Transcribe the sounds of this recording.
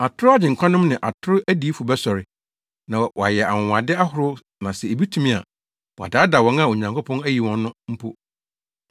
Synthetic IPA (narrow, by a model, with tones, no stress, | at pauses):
a˨tʰʊ˦ɾʊ˦a˦d͡ʑɪ̃˨ŋ̩˨kʷʰã˦nʊ̃˦m˦nɪ̃˨ʔa˨tʰʊ˦ɾʊ˦ʔæ˦di˦fʊ˨bɛ˦sɔ˨ɾɪ˨ | nã˨wa˨jɛ˨ʔa̰˨ʊ̃˨wa˨dɪ˦a˦ɦʊ˨ɾʊ˦ | nã˨sɛ˨e˨bi˦tʰũ˨mĩ˦a̰˨ | wɔ˨a̰˨daː˨˦da˨wɔ̃˨˦na˦˨o˨ɲã˨ŋkʰʊ˦pʰɔ̃˦næ˦ji˨wɔ̃˨nːʊ̃˦m̩˦pʰo˦